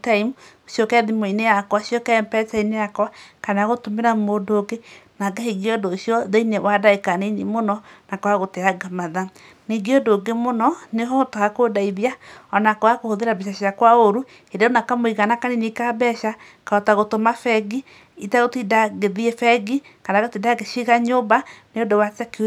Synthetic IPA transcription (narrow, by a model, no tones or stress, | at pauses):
taimu | ʃjokɛðimoinejakwaʃjɔkɛmpɛtainejakwakanaɣotomeɾamodoɡenaɡahiɡeɔdoʃjɔðeinewadaekaneinemonɔnakɔaɣotɛaɡamaða | niɡeɔdoːɡemonɔneɦɔotaakodaiðjaɔnakoakohoðeɾabiʃ̬aɕjakwaoɾu | eɾaonakamoiɣanakaninikabɛʃa | kaɔtaɣotomafɛɡi | itaɣotidaɣeðiefɛɡikanaɣotidaɡeʃiɣaɲobaneodowatɛke